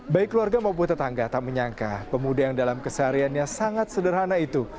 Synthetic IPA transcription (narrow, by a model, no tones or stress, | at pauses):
baɪkːəluarɡamaup̬ʊnt̪ət̪aŋɡat̪ap̚məɲaŋka̰pəmudajaŋdalamkəsəaɾianɲasaŋat̪̚sədərɦanait̪u